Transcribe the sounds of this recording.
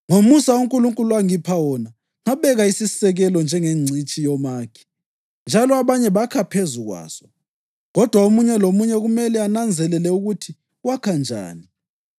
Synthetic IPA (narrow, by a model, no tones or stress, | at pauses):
ŋomusauŋkʼuluŋkʼuluaŋipʰawɔna | ŋaβɛɣaisisɛɣɛlɔnd͡ʒʱɛŋeŋ͡ǀʱit͡ʃʼijɔmaːkʰɛ̥ | nd͡ʒʱalɔaβaɲɛβakʰapʰezuɣwa̰ːsɔ̥ | ɣɔd̥ʱwaomuɲɛlomuɲɛɣumɛlɛanand͡zʱɛlɛlɛuɣutʰi | wakʰand͡ʒʱa̰ːni